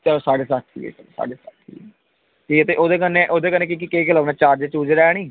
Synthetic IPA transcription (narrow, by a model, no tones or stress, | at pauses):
t͡ʃəloːsaːɽeːsaːt̪ʰːḭːɛ̰ːt͡ʃəlo̰ːsa̰ːɽeːsa̰ːt̪ʰːḭːɛ | ʈʰiːkɛt̪eːʔoːd̪eːkəneʔoːd̪eːkənːẽːk̬iːk̬ikeiːkələʋnãːt͡ʃaːɾd͡ʒet͡ʃuːd͡ʒɾɛːɽ̃iː